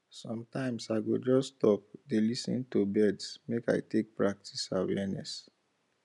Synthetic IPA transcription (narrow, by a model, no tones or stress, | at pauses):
sɔ̃mtãɪ̃msaɪɡod͡ʒɔstɔp̚delisḭ̃ntubɛdsmeka̰ɪtek̚pɹak̚tʰi̥sawɛnɛ̰s